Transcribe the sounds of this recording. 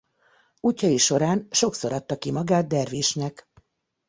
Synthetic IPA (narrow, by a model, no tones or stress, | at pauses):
uːcːɒjiʃo̞ɾaːnʃo̞kso̞ɾɒt̪ːɒkimɒɡaːt̪̚d̪ɛrviːʃnɛk